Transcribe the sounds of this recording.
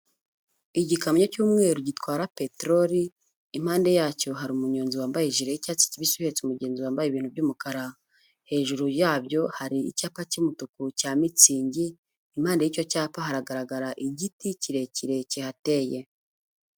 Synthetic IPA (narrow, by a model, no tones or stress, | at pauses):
iɟikamɲocuːmŋe̞ɾuɟitwaːɾapetɾoɾiː | m̥haːnde̞jaːco̞ɦaɾiumuɲoːnziwaːmbajeʒiɾejicaːt͡si̥ciβisuhet͡sumuɟe̞ːnziwaːmbajiβiːnhubɟuːmukaɾa | he̞ːʒuɾujaːbjo̞haɾiḭcaːpacimutukucaːmit͡siːɲɟiː | m̥haːndejico̞caːpaɦaɾaɡaɾaɡaɾaʔiɟiticiɾe̞ciɾe̞cihate̞je̞